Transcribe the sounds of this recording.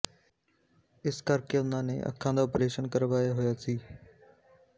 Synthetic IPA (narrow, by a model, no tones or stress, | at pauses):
ɪskəɾkeʊnãːnḛʔə̰kʰːãːd̪aːoːpɾeːʃənkəɾʋaːjaːɦʊjaːsiː